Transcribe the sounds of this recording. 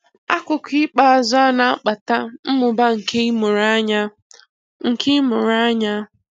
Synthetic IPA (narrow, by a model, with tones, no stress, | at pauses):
a˦kʷʊ˨kʷi˦k͡pa˦˨a˨zʊ˦na˦a˦k͡pa˨ta˦m̩˦mʊ˨ba˦ŋ̩˨kʰe˦i˦mʊ˨ɾa˦ɲa˦ | ŋ̩˨kʰe˦mʊ˨ɾa˦ɲa˦